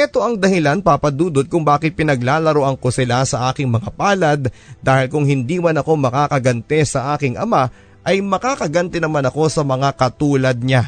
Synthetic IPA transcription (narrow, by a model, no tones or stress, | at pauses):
ʔɛt̪o̞ʔɐŋd̪ɐhɪlanpapɐd̪uːd̪ot̪̚kʊŋbaːkɪt̪̚pɪnɐɡlaːlɐɾoʔɐŋko̞sɪlasɐʔaːkɪŋmɐŋapaːlɐd̪ːaːhɪlkʊŋhɪnd̪iːmɐnɐko̞mɐkaːkɐɡɐnt̪ɛsɐʔaːkɪŋʔɐ̰ma | ʔɐjmɐkaːkɐɡɐnt̪ɛnɐmanɐko̞sɐmɐŋakɐt̪uːlɐd̪̚ɲa